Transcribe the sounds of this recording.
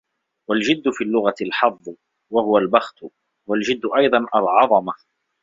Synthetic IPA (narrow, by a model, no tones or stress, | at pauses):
wald͡ʒɪd̪ːʊfiːlːʊɣalħɑðˤː | wahʊwalbɑxt̪ | wald͡ʒɪd̪ːʊʔɑjd̪ˤɑnʔalʕɑðˤɑma